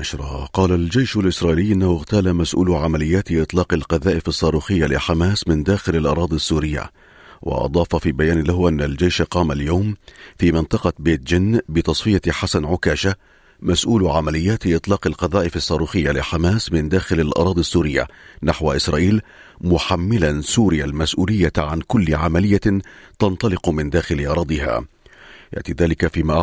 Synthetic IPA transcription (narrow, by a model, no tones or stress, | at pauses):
ʔaʃɾˤɑ̰qɑːlald͡ʒajʃalʔɪsɾˤɑːʔiːlɪjːʔɪnːahʊɣt̪aːlamasʔṵːlʕamalɪjːaːt̪ʔɨt̪ˤlɑːqɑlqɑðaːʔɪfɑsˤːɑːɾuːxɪjːalɪħamaːsmɪnd̪aːxɪlalʔɑ̰ɾˤɑːd̪ˤisːuːɾɪjːa̰ | wɑ̰ʔɑ̰d̪ˤɑːfɑfiːbajaːnlahʊʔanːald͡ʒajʃqɑːmaljawmfiːmɪnt̪ˤɑqɑbeːt̪̚d͡ʒɪnbɪt̪ɑsˤfɪjaħasanʕʊkaːʃa | masʔuːlʕamalɪjːaːt̪ʔɨt̪ˤlɑːqɑlqɑðˤɑːʔɪfɑsˤːɑːɾuːxɪjːalɪħamaːsmɪnd̪aːxɪlalʔɑ̰ɾˤɑːd̪ˤɪsːuːɾɪjːa̰naħwaʔɪsɾˤɑːʔiːl | mʊħamːɪlansuːɾɪjalmasʔuːlɪjːaʕankʊlːɪʕamalɪjːat̪ɑnt̪ˤɑlɪqmɪnd̪aːxɪlɪʔɑɾˤɑːd̪ˤɪɦa̰ː | ja̰ʔt̪iːðaːlɪkafiːmaːʔ